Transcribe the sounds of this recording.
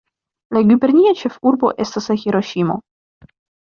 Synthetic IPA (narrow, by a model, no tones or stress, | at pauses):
laɡʲybe̞ɾniat͡ʃe̞fuɾbo̞̰ʔe̞staslaxiɾo̞ʃimo̞̰